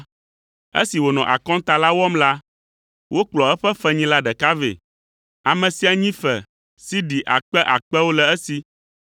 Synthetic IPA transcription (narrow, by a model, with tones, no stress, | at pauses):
ḛ˦si˨wo˨nɔ̰̃˨ʔa̰˨kɔ̃˦t̪a˨la˦wɔ˦mla˦ | wo˦k͡plɔ˨ɛ˦ɸɛ˦fɛ˦ɲĩ˦la˦ɖɛ˨ka˦vḛ˨ | a˨mɛ̃˨si˦a˨ɲĩ˦fɛ˨ | si˦ɖi˨ʔa̰˨k͡pɛ˦ʔa˨k͡pɛ˦wo˦lɛ˨ɛ˦si˨